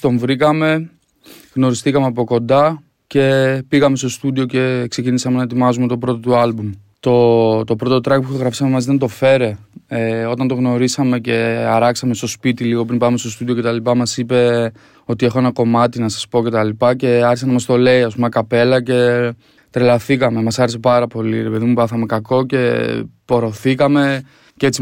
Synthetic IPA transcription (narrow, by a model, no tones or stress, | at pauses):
t̪o̞ɱvɾikɐme̞ | ɣno̞ɾist̪ikɐmeɐp̬o̞ko̞nd̪ɐ | ce̞piɣɐme̞st̪o̞st̪ud̪io̞ce̞kse̞cinisɐmenɐet̪imɐzume̞t̪o̞pɾo̞t̪ot̪uɐlbum | t̪o̞t̪o̞pɾo̞t̪ot̪ɾɐk̚puxoɣɾɐfi̥sɐmemɐziðent̪̬o̞fe̞ɾe̞eo̞t̪ɐnt̪o̞ɣno̞ɾisɐme̞ce̞ɐɾɐksɐme̞st̪o̞spit̪iliɣo̞pɾinbɐmest̪o̞st̪udio̞ce̞t̪ɐlipɐmɐsipe̞ | o̞t̪ie̞xoenɐko̞mɐt̪inɐsɐspo̞ce̞t̪ɐlipɐce̞ɐɾçisɐnɐmɐst̪o̞le̞iɐspumɐkɐpe̞lɐce̞ | t̪ɾelɐθikɐme̞mɐsɐɾese̞pɐɾɐpo̞lḭɾe̞pe̞ðimupɐθɐme̞kɐko̞ce̞po̞ɾo̞θikɐme̞ | cet͡si